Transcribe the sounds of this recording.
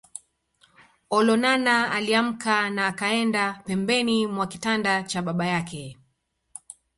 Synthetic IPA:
ɔlɔnanaaliam̩kanaːkaɛndapɛmbɛnimwakitandat͡ʃaɓaɓajakɛ

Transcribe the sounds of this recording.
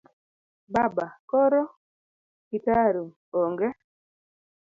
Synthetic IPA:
babakɔɾɔ | kitaɾu | oŋɡɛ

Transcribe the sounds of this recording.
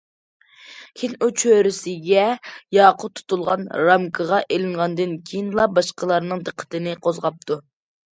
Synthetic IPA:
kʲʰinut͡ʃʰøɾɪsɪɡʲɛjɑːqʰʊt̪ʰːu̥t̪ulˠʁɑnɾɑmkʰəʁɑʔelɪŋʁɑnd̪ɨnkʲʰejinlˠɑbɑʃqəlˠɑɾnɨŋd̪əqʰːə̥t̪ʰɨnɪqʰozʁɑp̚t̪ʰu

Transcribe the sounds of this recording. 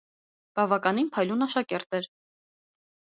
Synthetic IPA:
b̥ɑvɑkɑn̪inpʰɑjlunɑʃɑkɛɾt̪ɛɾ

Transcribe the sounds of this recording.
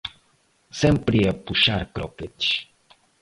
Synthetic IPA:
sempɾiepuʃaɾkɾoket͡ʃ

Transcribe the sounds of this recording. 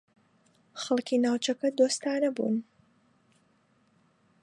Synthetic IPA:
χɐlˠkiːnaːwt͡ʃɐkɐd̪oːst̪aːnɐbṵːn

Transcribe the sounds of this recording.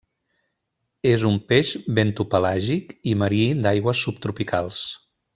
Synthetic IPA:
ezumpeʒβent̪upəlaʒikiməɾid̪ajɣwəsːup̚t̪ɾupikalˠs

